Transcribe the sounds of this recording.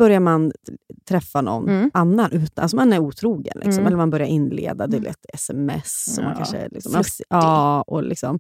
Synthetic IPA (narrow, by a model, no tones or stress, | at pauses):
b̥œɾjaɾmant̪ʰɾɛfːanɔ̰nːʔanːanʔʉ̟ːt̪alsɔmanæɾuːt̪ʰɾuːɡə̰nlɪkksɔmʔɛlːəɾmanbœɾjaɾʔɪnːlḛːd̪ad̪ɛlɛ̰t̪ɛsɛmɛ̰sːsɔmːankʰanʂə̰lɪksɔmɛɑːɔlʔɪ̰ksɔm